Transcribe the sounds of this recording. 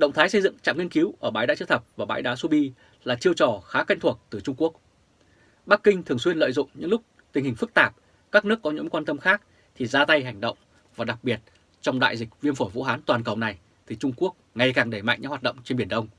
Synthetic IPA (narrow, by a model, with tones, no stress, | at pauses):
ɗə̰˧˨wŋ͡mt̪ʰaː˨˦jsə˧jzɨ̰˧˨ŋt͡ɕa̰ː˧˨mŋi˧ənki˨˦wʔəː˧˩ɓaː˨˦jɗaː˧˥t͡ɕɨ˧t̪ʰə˨˩p̚vaː˨˩ɓaː˨˦jɗaː˨˦su˧ɓi˧ | laː˨˩t͡ɕi˧əwt͡ɕɔ˨˩xaː˨˦ka˧ŋ̟t̪ʰu˨˩ək̚t̪ɨ˨˩t͡ɕʊ˧ŋ͡mku˦˥ək̚ | ɓa˦˥kːï˧ŋ̟t̪ʰɨ˨˩əŋswi˧ənlə̰˧˨jzʊ̰˧˨ŋ͡mɲɨ̰˧˥ŋlʊ˦˥k͡p̚ | t̪i˨˩ŋhi˨˩ŋfɨ˦˥k̚t̪aː˨˩p̚ | kaː˦˥k̚nɨ˦˥əkːɔ˨˦ɲɨ̰˧˥ŋkwaː˧nt̪ə˧mxaː˦˥k̚ | t̪ʰi˨˩zaː˧t̪a˧jɦa˨˩jŋ̟ɗə̰˧˨wŋ͡m | vaː˨˩ɗa˨˩k̚ɓi˨˩ət̚ | t͡ɕɔ˧wŋ͡mɗa̰ː˧˨jzï˨˩k̚vi˧ənfo˧˩jvṵ˧˥ɦaː˨˦nt̪waː˨˩nkə˨˩wna˨˩j | t̪ʰi˨˩t͡ɕʊ˧ŋ͡mku˦˥ək̚ŋa˨˩jkaː˨˩ŋɗe˧˩ma̰˧˨ŋɲʔhwaː˨˩tɗə̰˧˨wŋ͡mt͡ɕe˧nɓi˧˩ənɗə˧wŋ͡m